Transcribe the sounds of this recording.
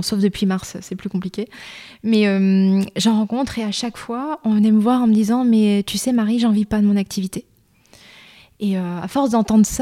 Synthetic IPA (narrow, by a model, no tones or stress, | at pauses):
sofd̪əpɥimaʁssɛplykɔ̃plikʲemɛømʒɑ̃ʁɑ̃kɔ̃t̪χeaʃakfwaɔ̃vnɛməvwaʁɑ̃məd̪izɑ̃mɛt̪ʰysɛmaʁiʒɑ̃vipad̪əmɔ̃nak̚t̪ʰivit̪e | eøa̰fɔʁsd̪ɑ̃t̪ɑ̃d̪ʁəs